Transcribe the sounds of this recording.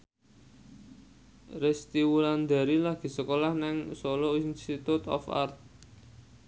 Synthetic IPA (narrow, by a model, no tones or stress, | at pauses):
rest̪iwuland̪a̤ɾilaɡ̥i̤səkolahnɛŋsolɔinst̪it̪ut̪ɔ̰fa̰rt̪̚